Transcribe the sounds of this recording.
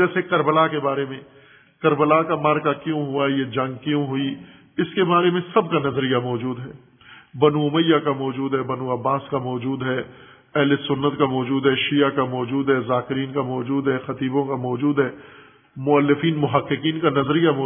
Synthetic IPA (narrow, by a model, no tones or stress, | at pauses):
ɛːsekɐɾbəlakebaːɾemẽ | kɐɾbəlakamaːɾkakjõɦuajed͡ʒɐ̃ŋɡ̚kjõɦʊi | ɪskebaːɾemẽsɐb̚kanɐzɾijamɔːd͡ʒuːd̪ɦɛː | bɐnuʊməjːakamɔːd͡ʒuːd̪ɦɛbɐnuɐbːaːskamɔːd͡ʒuːd̪ɦɛː | ɛɦlesʊnːət̪kamɔːd͡ʒuːd̪ɦɛʃijakamɔːd͡ʒuːd̪ɦɛzaːkɪɾiːnkamɔːd͡ʒuːd̪ɦɛxɐt̪iːbõkamɔːd͡ʒuːd̪ɦɛː | mʊɐlːɪfiːnmʊɦəqːɪkiːnkanɐzɾijamɔː